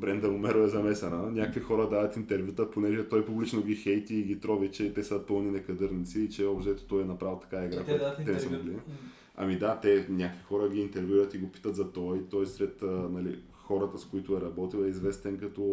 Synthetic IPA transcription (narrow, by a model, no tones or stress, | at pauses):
bɾɛnd̪ɛɾomɛɾoɛzɐmɛsɐnənʲakvixɔɾəd̪avɐt̪int̪ɛɾvʲjut̪əponɛʒɛt̪ɔjpublit͡ʃnoɡʲixɛjt̪iːɡʲit̪ɾɔvit͡ʃɛt̪ɛsəpɤlˠninɛkɐd̪ɤɾnit̪siːt͡ʃɛɔbʃt̪ɛɛt̪o̥t̪ɔjɛnɐpɾavlˠt̪ɐ̥kaɛiɡɾak̪ɛnɛsəmoɡli | ɐ̰mid̪at̪ɛnʲakvixɔɾəɡʲiːnt̪ɛɾvʲjuɐt̪iɡopi̥t̪ət̪zɐt̪ɔjt̪ɔjsɾɛt̪ənɐli | xɔɾət̪əskoit̪ʊɛɾɐbɔt̪ilˠɛizvɛst̪ɛnkɐt̪ɔ